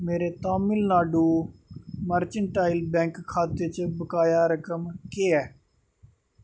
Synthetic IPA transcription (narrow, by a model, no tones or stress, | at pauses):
meːɾeːt̪aːmɪlnaːɖuː | məɾt͡ʃəɳʈaːɪlbɛ̃ːŋkʰːaːt̪et͡ʃəbəkaːjaːɾəkəmkeːɛː